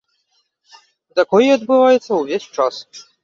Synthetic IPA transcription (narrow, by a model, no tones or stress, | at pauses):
zakɔjiɐd̪̚bɨvajɛt̪sːɐwvʲesʲt͡ʂas